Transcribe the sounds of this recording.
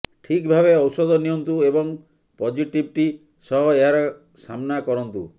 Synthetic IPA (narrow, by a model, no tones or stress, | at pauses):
ʈʰikbʱabeɔwsɔd̪ɔnijɔnt̪uebɔŋ | pɔd͡ʒiʈibʈi | sɔɦɔeɦaɾɔ | samnakɔɾɔnt̪u